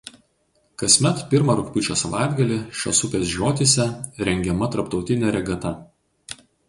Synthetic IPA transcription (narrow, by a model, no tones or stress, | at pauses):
kɐsʲmʲɛt̪pʲɪɾmɐɾʊkʲpʲʊt͡ʃʲoːsɐʋɑ̰ˑɪd̪ɡɐlʲɪʃʲo̰ːsʊpʲeːsʒʲoːt̪ʲisʲɛɾʲɛŋʲɡʲɛmɐt̪ɐɾpt̪ɒʊt̪ʲɪnʲɛɾʲɛɡɐt̪ɐ